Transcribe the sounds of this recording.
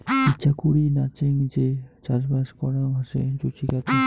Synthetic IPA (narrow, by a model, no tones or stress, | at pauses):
itːʃʰakuɽinat͡ɕeŋd͡ʑet͡ɕad͡ʑbaʃkɔɽamʱaʃḛd͡ʑot͡ʃʰikat̪a